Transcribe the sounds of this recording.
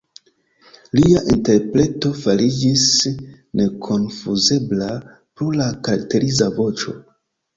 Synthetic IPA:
liaʔinte̞ɾpɾe̞to̞falid͡ʒis | ne̞kʰo̞nfuze̞bla | pɾulakaɾak̚te̞ɾizavo̞t͡ʃo̞

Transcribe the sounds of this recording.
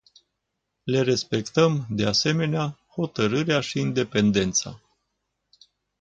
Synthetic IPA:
le̞ɾe̞spe̞kt̪əmd̪e̞ase̞me̞neaho̞t̪əɾɨɾeaʃiːnd̪e̞pe̞nd̪e̞nt̪sa̰

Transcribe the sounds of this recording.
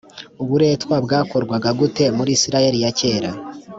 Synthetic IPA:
uβuɾe̞ːtwab̚ɡaːko̞ɾɡwaɡaɡute̞muɾiːsiɾaje̞ɾijace̞ːɾa

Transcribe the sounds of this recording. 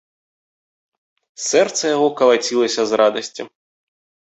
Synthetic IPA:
sɛrt̪sɐjaɣɔkɐlˠat͡sʲilˠɐsʲɐzrad̪ɐsʲt͡sʲi

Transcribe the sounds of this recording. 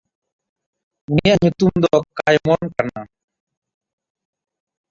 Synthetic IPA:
unijaʔɲut̪umd̪ɔkajmɔnkana

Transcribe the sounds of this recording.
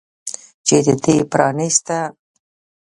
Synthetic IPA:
t͡ʃed̪əd̪epɾɑnist̪a

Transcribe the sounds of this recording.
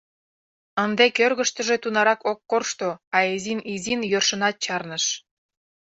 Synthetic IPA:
ənd̪ekørɣə̆ʃt̪ə̆ʒet̪unɑɾɑkokːorʃt̪oɑezinizinjørʃə̆nɑt̪̚t͡ɕɑrnə̆ʃ

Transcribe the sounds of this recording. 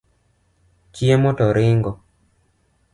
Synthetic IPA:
t͡ʃiemɔtɔɾɪŋɡɔ

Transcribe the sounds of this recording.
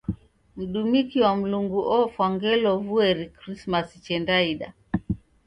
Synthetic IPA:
m̩ɗumikiwam̩luŋɡuʔɔfwaŋɡɛlɔvuɛɾikɾismasi̥t͡ʃɛndaiɗa

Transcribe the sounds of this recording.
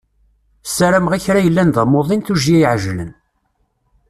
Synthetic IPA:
sæɾæmʁæçɾæjəlːænd̪əmoðˤinθuʒiæjʕʒlə̰n

